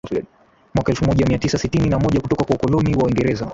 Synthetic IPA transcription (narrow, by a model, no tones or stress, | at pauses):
mwakaɛlfumɔʄamiatisasitininamɔʄakutɔkakwaukɔlɔniwawiŋɡɛɾɛza